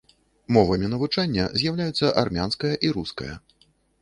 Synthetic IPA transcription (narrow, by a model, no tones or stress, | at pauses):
mɔvɐmʲinɐvut͡ʂanʲːɐzʲjawlʲajut̪sːɐʔarmʲanskɐjɐʔiɾuskɐ̰jɐ̰